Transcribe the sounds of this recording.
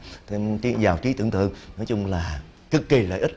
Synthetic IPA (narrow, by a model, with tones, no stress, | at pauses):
t̪ʰe˧mt͡ɕi˨˦zaː˨˩wt͡ɕi˨˦t̪ɨ̰˧˨əŋt̪ɨ̰˧˨əŋnɔ˨˦jt͡ɕʊ˧ŋ͡mlaː˨˩ | kɨ˨˩k̚ːi˨˩lə̰ː˧˨ʔi˦˥t̚